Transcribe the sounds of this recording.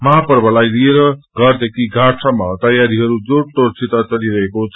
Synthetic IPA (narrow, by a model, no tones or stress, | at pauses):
mʌɦapʌrbʱʌlajlieɾʌɡʌrd̪ekʰiɡʱaʈʰamat̪ʌjaɾiɦʌɾud͡zoʈoɾt͡sʰit̪at͡sʌɽiɾʌɦekot͡sʰʌ